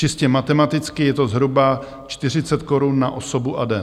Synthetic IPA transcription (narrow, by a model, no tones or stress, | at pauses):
t͡ʃɪscɛmat̪ɛmat̪ɪt͡skɪjɛt̪ozɦɾuba | t͡ʃt̪ɪr̝ɪt͡sɛt̪ko̞ɾunːa̰ʔo̞sobuʔadɛ